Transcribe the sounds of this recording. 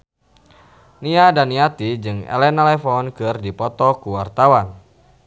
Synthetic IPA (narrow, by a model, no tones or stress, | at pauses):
niadaniat̪id͡ʒɨŋɛ̰lɛnalɛfɔnkɨrdipɔt̪ɔkuwart̪awan